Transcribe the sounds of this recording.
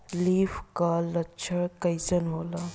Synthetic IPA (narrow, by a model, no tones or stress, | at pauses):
liːfkalɐtːʃʰəɭkɐjsənɦoːlaː